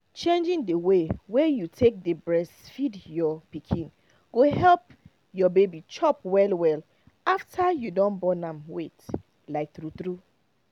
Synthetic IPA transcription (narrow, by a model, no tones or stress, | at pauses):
t͡ʃẽnd͡ʒĩndəwewejutʰek̚debɹɛsfidjɔpikʰĩn | ɡ̥oɦɛlp | jɔbebit͡ʃɔpwɛlwɛl | aftʰajudɔ̃nbɔnãmwet | laɪk̚tɾutɾu